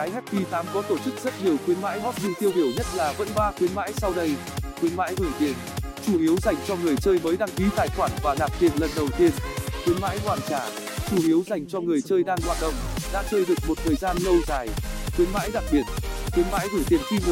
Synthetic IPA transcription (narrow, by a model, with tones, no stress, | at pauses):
a˨˦jɦɛ˦˥t̚fi˧t̪ʰaː˨˦mkɔ˨˦t̪o˧˩t͡ɕɨ˦˥k̚zə˦˥t̚ɲi˨˩əwxwi˨˦ənma̰ː˧˥jɦɔ˦˥t̚ɲɨ˧ŋt̪i˧əwɗi˧˩əwɲə˦˥t̚laː˨˩və̰˧˥nɓaː˧kwi˨˦ənma̰ː˧˥jsa˧wɗə˧j | kwi˨˦ənma̰ː˧˥jɣɨ˧˩t̪i˨˩ən | t͡ɕu˧˩ʔi˨˦əwza˨˩jŋ̟t͡ɕɔ˧ŋɨ˨˩əjt͡ɕəː˧jməː˨˦jɗa˧ŋki˨˦t̪aː˨˩jxwaː˧˩nvaː˨˩zaː˨˩p̚t̪i˨˩ənlə˨˩nɗə˨˩wt̪i˧ənkwi˨˦ənma̰ː˧˥jkwaː˧˩nt͡ɕaː˧˩ | t͡ɕu˧˩ʔi˨˦əwza˨˩jŋ̟t͡ɕɔ˧ŋɨ˨˩əjt͡ɕəː˧jɗaː˧ŋlwa̰˧˨n̚ɗə̰˧˨wŋ͡mɗa̰ː˧˥t͡ɕəː˧jɗɨ˨˩ək̚mo˨˩t̚t̪ʰəː˨˩jzaː˧nlə˧wzaː˨˩jkwi˨˦ənma̰ː˧˥jɗa˨˩k̚ɓi˨˩ət̚kwi˨˦ənma̰ː˧˥jɣɨ˧˩t̪i˨˩ənxi˧m˨˦